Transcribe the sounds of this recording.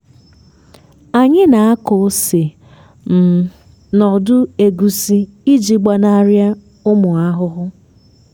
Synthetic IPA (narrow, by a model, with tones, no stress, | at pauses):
a˨ɲɪ˦na˨a˦ko˨˦sɪ˨ | m̩˨ | nɔ˨dʊ˦e˨ɡu˨si˦i˦d͡ʒi˦ɡ͡ba˦na˦ɾja˦ | ʊ˦mʊ˨a˦ɦʊ˦ɦʊ˦